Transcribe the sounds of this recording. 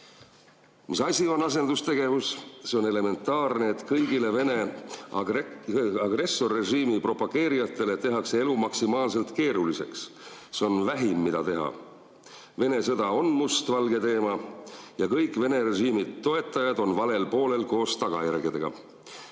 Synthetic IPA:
misɑsʲio̞nɑs̬e̞nd̪̥ust̪e̞ɡ̥e̞vusseo̞ne̞le̞me̞nt̪ːˑɑːrneːt̪kɤjɡile̞vene̞ | ɑɡre̞sːo̞rːe̞ʒiːmipro̞pɑɡ̥e̞ːɾijɑt̪ːˑe̞le̞t̪e̞ɦɑksee̞lumɑksimɑːlse̞lt̪ke̞ːɾulise̞ksseo̞nvæɦimːid̪ɑt̪e̞ɦɑ̰ | ve̞ne̞s̬ɤ̞d̪̥ɑo̞nmust̪vɑlɡe̞t̪e̞ːmɑjɑkɤjkːˑve̞ne̞ɾe̞ʒiːmit̪ːo̞e̞t̪ːˑɑjɑd̪o̞nvɑle̞lpo̞ːle̞lko̞ːst̪ɑɡ̥ɑjærɡ̥id̪̥e̞ɡ̥ɑ̰

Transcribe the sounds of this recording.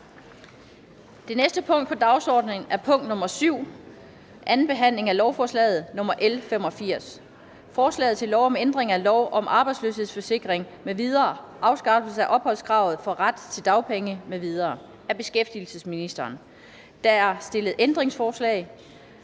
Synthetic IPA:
d̥e̝nesd̥əpʰɔ̽ŋ̰d̥̚pʰɒ̽d̥ɑ̈ʊsɒːd̥neŋæɐpʰɔ̽ŋ̰d̥nɔ̽mɐsyʊ̰ | ʔænn̩b̥e̝ɦæn̰le̝ŋælɒʊfɒːslɛ̰ːð̞̩ˠnɔ̽mɐʔelfem̰ɒ̽fiɐ̰s | fɒːslɛ̰ːð̩ˠt͡sʰe̝lɒʊɒ̽mend̥ʁeŋælɒʊʔɒ̽mʔɑ̈ːb̥ɑ̈ɪdslø̰ːshe̝ð̰ˠsfɒ̽se̝ɡ̥ʁeŋ | meʋið̞ˠɐː | ʔɑ̈ʊsɡ̥ɑ̈ːb̥l̩səæʔɒ̽b̥hɒ̽l̰skʰʁɑ̈ʊð̞̩ˠfɒ̽ʁad̥t͡sʰe̝ld̥ɑ̈ʊpʰeŋəmeʋið̞ˠɐː | æb̥e̝sɡ̥efd̥il̩səsminisd̥ɐːn | d̥ææɐsd̥e̝ləð̞̩ˠend̥ʁeŋsfɒːslɛ̰ːɪ

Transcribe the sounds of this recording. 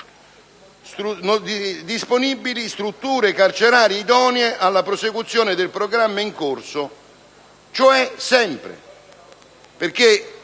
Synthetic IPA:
st̪ɾund̪d̪isponibːilist̪ɾut̪ːuːɾekart͡ʃeɾaːɾjiid̪ɔːnjeʔalːapɾosekut̪sːjoːnɪd̪elpɾoɡɾamːaiŋkorso | t͡ʃoɛsɛmpɾḛ | perk̟e

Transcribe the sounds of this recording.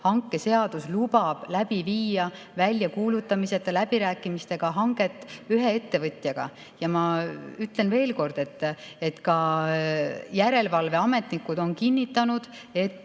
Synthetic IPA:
hɑŋkːˑe̞se̞ɑd̪̥uslub̥ɑb̥læb̥iviːjɑ | vælʲjɑkuːlut̪ːˑɑmise̞t̪ːˑɑlæb̥iɾæːkːˑimist̪e̞ɡ̥ɑɦɑŋɡ̥e̞t̪ːˑyɦe̞e̞t̪ːe̞vɤt̪ʲjɑɡ̥ɑ̰ | jɑmɑyt̪le̞nve̞ːlko̞rd̪̥e̞t̪ːˑ | e̞t̪kɑ | jæɾe̞lvɑlve̞ɑme̞t̪ˑnikːˑud̪o̞nkinːit̪ːˑɑnud̪̥ | e̞t̪ː

